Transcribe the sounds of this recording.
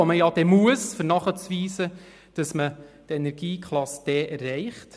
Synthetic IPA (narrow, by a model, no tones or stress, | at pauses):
oməjɑd̥ɛmuəsfəɾnɑχət͡sʋiːsə | d̥ɑsmətenɛɾɡ̥iːkʰχlˠɑsd̥ɛʔɛrːɛɪχt